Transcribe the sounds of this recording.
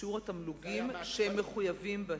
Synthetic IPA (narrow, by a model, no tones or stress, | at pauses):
uʁatamluɡimʃehemːeχujavimbe